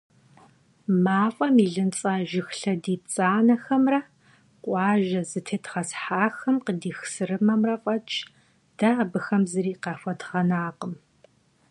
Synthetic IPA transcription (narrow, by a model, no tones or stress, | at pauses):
maːfʷʼɐmiɮɨnt͡sʼaːʒɪxɬɐdiːp̚t͡sʼaːnɐxɐmrɐ | qʷʼɑːʒɐzɨtʰeːtʁɐsħaːxɐmqədiːxsɨrɨmɐmrɐqʷʼɐt͡ʃʼ | d̥aːbɨxɐmzɨɾiːqɑːfʷɐdʁɐnaːqəm